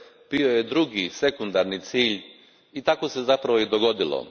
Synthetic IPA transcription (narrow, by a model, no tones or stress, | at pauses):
piojed̪ɾuɡise̞kund̪aɾnit̪siːʎ | it̪ako̞sezapɾaʋojid̪oɡo̞d̪ilo̰